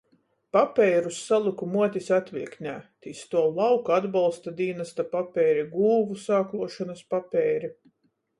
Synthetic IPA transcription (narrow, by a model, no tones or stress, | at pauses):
papʲɛjɾusːalˠukumuɔt̪isat̪viɛknʲæːt̪ist̪uɔlˠawkad̪balˠst̪ad̪iːnast̪apapʲɛːɾiɡuːvusaːklˠuɔʃanɐspapʲɛːɾi